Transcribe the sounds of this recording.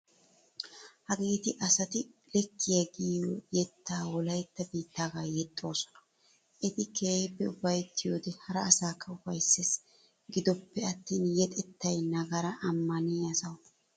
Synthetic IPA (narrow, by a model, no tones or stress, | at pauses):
hɐɡeːt̪ɪʔɐsɐt̪ɪlɛkːɪjɐɡiːojɛt̪ːaːwɔlɐjɛt̪ːɐbiːt̪ːaːɡaːjɛt̪ʼːo̞ːsɔ̥nɐ̥ | ʔɛt̪ɪkeːbːɛʊbɐjt̪ːɪjoːd̪ɛhɐɾɐːsaːkːɐʊfɐjsːes | ɡɪd̪ɔpːɛɐt̪ːiːnjɛt̪ʼɛt̪ːɐjnɐɡɐɾɐʔɐmːɐniɐsɐw